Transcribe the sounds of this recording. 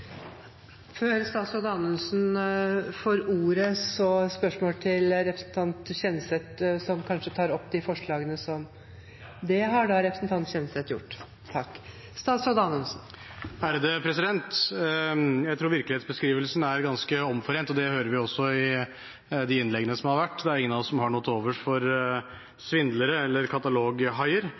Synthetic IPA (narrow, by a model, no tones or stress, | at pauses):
føːɾst̪ɑːt̪sɔd̪əɑnʉnsn̩ | fɔːɾuːɾəsɔspœʂmoːlt̪ʰɪlɾɛpɾəsn̩t̪ʰɑnt̪ɕɛnːəset̪sɔmkʰɑnʂət̪ʰɑːɾɔpːd̪ɪfɔʂɭɑːɡənəsɔm | d̪ɛɦɑɖɑɾɛpɾəsnt̪ɑnt̪ɕɛnːəslet̪jʊ̰ʈː | t̪ʰɑkː | st̪ɑːsɔd̪ɑnɔnsn̩ | æɾd̪ɛpʰɾɛsɪd̪ɛnt̪ | jæɪt̪ʰɾuːʋɪɾklɪheːt̪sbəskɾiːʋəlsn̩æɾɡɑnskəɔmfɔɾeːnt̪ɔd̪ɛhøːɾəɾʋɪɔsːɔɪ | d̪ɪɪnːlɛɡənəsɔmhɑɾʋæʈːd̪ɛæɾɪŋːənɑʋɔsɔmhɑɳɔt̪ʰːoːʋəʂfɔɾ | sʋɪnd̪ləɾəɛlːəɾkʰɑt̪ɑloːɡɦɑɪəɾ